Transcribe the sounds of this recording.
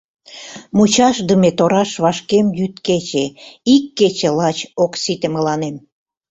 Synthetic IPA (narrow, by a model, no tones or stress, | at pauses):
mut͡ɕɑʃd̪əmet̪oɾɑʃβɑʃkemjyt̪ket͡ɕeikːet͡ɕelɑt͡ɕoksit̪ĕmə̆lɑnem